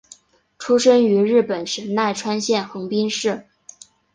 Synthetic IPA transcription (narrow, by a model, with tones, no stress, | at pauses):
ʈ͡ʂʰu˥ʂə˥ŋy˧˥ɻɻ̩˥˩pə˨˩nʂə˧˥nna˥˩ɪʈ͡ʂʰwa˥nɕjɛ˥˩nxɤ˧˥ŋpi˥ŋʂɻ̩˥˩